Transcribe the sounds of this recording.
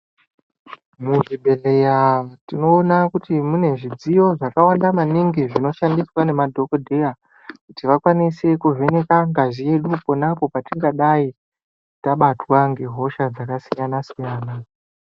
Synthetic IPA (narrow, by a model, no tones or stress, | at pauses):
muʐibʱe̞lejatino̞ːnakutimune̞ʐid͡zijo̞ʐakawandamaniŋɡiʐino̞ʃandiswane̞madʱo̞kodʱeja | kutiʋakwanise̞kuve̞ne̞kaŋɡaʐie̞ɗuponapo̞patiŋɡaɗai | taɓatwaŋɡe̞ɦo̞ʃad͡zakasijanasijaːna